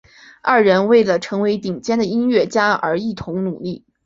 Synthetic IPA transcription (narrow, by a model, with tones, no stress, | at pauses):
ɐ˥˩ɻə˧˥nwe˥˩ɪlə˩ʈ͡ʂʰɤ˧˥ŋwe˧˥ɪt̪i˨˩ŋt͡ɕjɛ˥nd̪ə˨i˥nɥɛ˥˩t͡ɕja˥ə̰˞˧˥i˥˩t̪ʰʊ˧˥ŋnu˨˩li˥˩